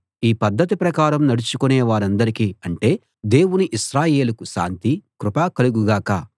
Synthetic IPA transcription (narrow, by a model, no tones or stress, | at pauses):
iːpɐd̪ːɐt̪̬ipɾɐkaːɾɐmnɐɽut͡ʃukuneːʋaːɾɐnd̪ɐɾikiːɐɳʈe̞ː | d̪e̞ːwuniʔiʃɾaːje̞ːlukuʃa̰ːnt̪ikɾupaːkɐluɡuɡaːkaː